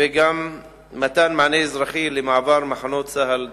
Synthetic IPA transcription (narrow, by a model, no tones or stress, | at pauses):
eɡamː | at̪anmaʕnezɾaχilemaʕavaɾmaħanot̪saɦal